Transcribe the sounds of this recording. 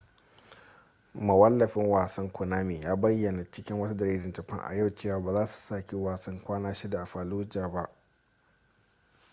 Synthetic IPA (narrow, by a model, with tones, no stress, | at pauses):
mɐ˨wɐ˦lːɐ˨ɸɪ˦ŋwaː˨sɐ˦ŋkʷʰʊ˨naː˦meː˨jaː˦bɐ˦jːɐ˨na˨t͡ʃɪ˦kʲɪ˦ŋwɐ˦t̬a˦dɐ˨ɾiː˦dɪ˨nd͡ʒɐ˨ɸɐ̰˦ŋʔa̰˨ja˦˨wt͡ʃeː˦˨waː˨˦baː˨zaː˦su̥˨saː˦kʲi˦waː˨sɐ˦ŋkʷaː˦naː˦ʃi˦da˨ʔa˨ɸaː˨luː˦d͡ʒaː˨ba˦ʔ